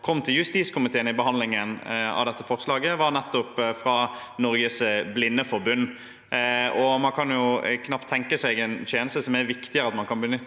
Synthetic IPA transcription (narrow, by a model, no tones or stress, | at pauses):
kʰɔmːt̪ʰɪljʉst̪iːt̪skʰʊmɪt̪ʰeːənɪbəhɑnd̪lɪŋənɑ̰ʋd̪ɛt̪ːəfɔʁslɑːɡəʋɑɾnɛt̪ːɔpfɾɑ | nɔɾɡəsblɪnːəfɔɾbʉnː | ɔmɑnkʰɑnjʊkʰnɑpt̪ʰːɛŋkəsɛɪɡɛnt̪ʰeːnəst̪əsɔmæɾʋɪkt̪ɪəɾɑt̪mɑnkʰɑnbənʏt̪ː